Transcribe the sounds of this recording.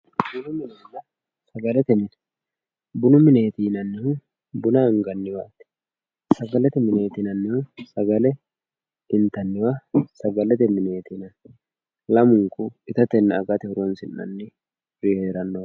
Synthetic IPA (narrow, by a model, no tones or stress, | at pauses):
bʊnʊmɪneːnɐ | sɐɡɐlɛt̪ɛmɪn | bʊnʊmɪneːt̪iːnɐnːɪhʊ | bʊnɐŋɡɐnːɪwat̪ɪ̥ | sɐɡɐlɛt̪ɛmɪneːt̪inɐnːɪhʊsɐɡɐlɛ | ɪnt̪ɐnːɪwasɐɡɐlɛt̪ɛmɪneːt̪inɐn | lɐmʊŋkʼʊɪt̪ɐt̪ɛnːɪɐɡɐt̪ɪhʊɾɔnsɪnːɐ̰nːɪ | ɾɪheːɾɐnːɔw